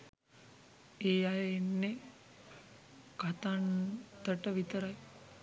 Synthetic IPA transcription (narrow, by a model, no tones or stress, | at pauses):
eːjajenːe | ɡat̪ant̪əʈəʋit̪əɾaj